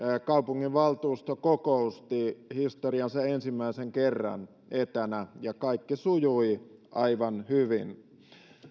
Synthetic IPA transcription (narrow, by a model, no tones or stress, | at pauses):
kɑupuŋːiʋʋɑlt̪uːst̪okokoust̪ihist̪oriɑnsɑensimːæiseŋkerːɑ̰n | et̪ænæjɑkɑikːisujuiʔɑiʋɑnhyʋin